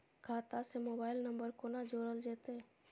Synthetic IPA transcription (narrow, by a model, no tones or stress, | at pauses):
kʰaːt̪asemoːbaːɪlnə̃mbəɾkonad͡ʒoːɾəld͡ʒeːt̪e